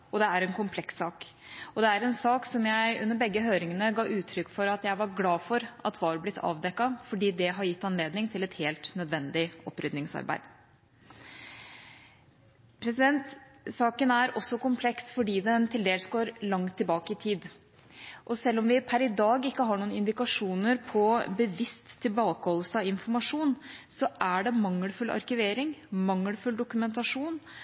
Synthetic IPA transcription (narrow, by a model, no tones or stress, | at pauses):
ʔɔd̪ɛæɾɛnkʰʊmpʰlɛksɑːk | ɔd̪ɛæɾɛnsɑːksɔmjæɪʔʉnːəɾbɛɡːəɦøːɾɪŋənəɡɑːʔʉːt̪ʰɾʏkːfɔɾɑt̪jæɪʋɑɾɡlɑːfɔɾɑt̪ʰʋɑːlblɪt̪ːʰɑ̰ːʋd̪ɛkːɑfɔɖiːd̪ɛɦɑɾjɪt̪ːɑnleːd̪nɪŋt̪ʰɪlɛt̪heːlt̪nœd̪ʋɛnd̪ɪɔpːɾʏd̪nɪŋsɑ̰ɾbæ̰ɪd̪̥ | pʰɾɛsɪd̪ɛnt̪ | sɑːkənæɾɔsːɔkʊmpʰlɛksfɔɖiːd̪ɛnt̪ʰɪld̪eːləsɡoːɾlɑŋt̪ʰːɪlbɑːkəɪt̪ʰiːd̪ | ʔɔsɛlːɔmʋɪpʰæɾɪd̪ɑːɡɪkːəɦɑːɳuːənɪnd̪ɪkɑʂuːnəɾpʰɔbəʋɪst̪ʰːɪlbɑːkəhɔlːəsəɑɪnfɔɾmɑʂuːnsɔʔæɖɛmɑŋːəlfʉlːʔɑ̰ɾkʏʋeːɾɪŋmɑŋːəlfʉld̪ʊkʉmɛnt̪ɑʂuːn